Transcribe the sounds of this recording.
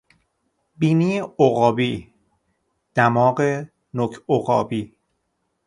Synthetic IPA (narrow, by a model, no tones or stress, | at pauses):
biːniːjeoɣɒːbiː | d̪̥æmɒːɢe | nokʰoɣɒ̰ːbiː